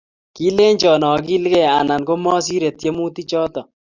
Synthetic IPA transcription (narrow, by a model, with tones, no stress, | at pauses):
ki˦le˦ɲt͡ʃɔ˨nɔ˨ki˦lkɛ˦a˨na˨nko˦mɔ˦s̬i˦ɾe˨tje˦mu˦ti˦t͡ʃɔ˦tɔ˨